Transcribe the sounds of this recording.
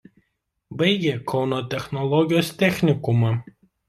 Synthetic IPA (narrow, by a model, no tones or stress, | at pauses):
bɐɪɡʲeːkʰɒʊnoːt̪ʲɛxnɔlˠɔɡʲɪjoːst̪ʲɛxʲnʲɪkʊmɑː